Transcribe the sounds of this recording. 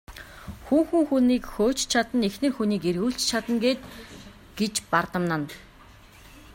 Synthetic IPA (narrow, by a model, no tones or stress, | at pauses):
xuːxuŋxuniːkxoːt͡ɕt͡ɕʰat̪ə̆nexnɘ̆rxuniːkerɣuːɬt͡ɕt͡ɕʰat̪ə̆ŋɡeːt̪ | ɡ̥et͡ɕpart̪ə̆mnə̆n